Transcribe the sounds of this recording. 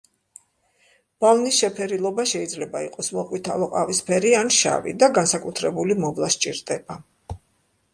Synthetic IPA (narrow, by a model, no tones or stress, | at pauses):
b̥alnisʃɛpʰɛɾilˠɔbaʃɛid̪zlɛbaiqʼɔsmɔqʼwit̪ʰalˠɔqʼavispʰɛɾianʃa̰vḭd̪aɡansakʼut̪ʰɾɛbulimɔvlˠast͡ʃʼḭɾd̪ɛba